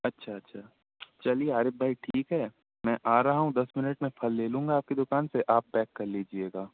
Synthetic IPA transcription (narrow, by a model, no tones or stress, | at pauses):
ɐtːʃʰaɐtːʃʰaː | t͡ʃɐlieaːɾebʱaːiʈʰiːkɦɛː | mɛ̃ːʔaːɾaɦaɦũd̪ɐsmɪnəʈmẽfʰɐlːeːlũːŋɡaːp̚kid̪ʊkaːnseʔaːp̚bɛːkːɐɾliːd͡ʒieːɡaː